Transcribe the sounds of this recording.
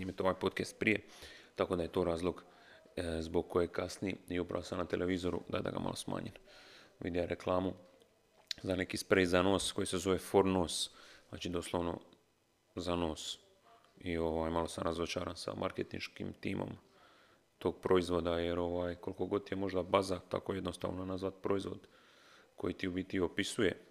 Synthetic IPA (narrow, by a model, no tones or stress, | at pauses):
niːmet̪eo̞ʋajpoːt̪kest̪̚pɾije̞t̪ako̞ːd̪aje̞t̪o̞ːɾaːzlˠo̞ɡ | zbo̞ɡ̚kojekasnijiiupɾa̰ʋosamnat̪elʔeʋiːzo̞ɾṵd̪a̰d̪a̰ɡa̰ma̰lo̞sma̰ːɲenʋḭd̪ijaɾʔe̞klaːmu | zane̞kispɾezanoːsko̞jise̞zo̞ʋefoɾnoːsa̰ːt͡ʃiːd̪oslˠoʋno̞̰ | zano̞ːs | io̞ʋaːjmalo̞samɾazo̞t͡ʃaːɾansa̰mʔa̰ɾket̪ḭnʃkḭmt̪iːmʔo̰m | t̪o̞ːɡpɾo̞izʋo̞d̪aje̞ɾo̞ʋaːjko̞liko̞ɡo̞d̪t̪jemo̞ʒd̪abazat̪a̰koje̞d̪nost̪a̰ːʋnonazʋat̪pɾo̞izʋo̞d̪ | ko̞jit̪iubit̪io̞pisuje̞